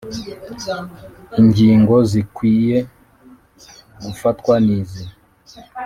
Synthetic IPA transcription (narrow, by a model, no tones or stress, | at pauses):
iŋɡiːŋɡozikwiːje | ɡufatkwanizi